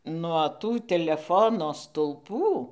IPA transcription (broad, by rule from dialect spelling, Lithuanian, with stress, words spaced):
nuɔ ˈtuː tʲɛlʲɛˈfoːnoː stʊˈlˠpuː